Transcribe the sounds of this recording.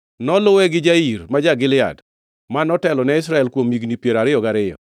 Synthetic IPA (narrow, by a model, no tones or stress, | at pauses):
nɔlʊwɛɡɪd͡ʒaiɾmad͡ʒaɡɪlɪa̰d | manɔtɛlɔnɛɪs̬ɾaɛlkwomiɡnipjeɾaɾɪjɔɡaɾɪjɔ̰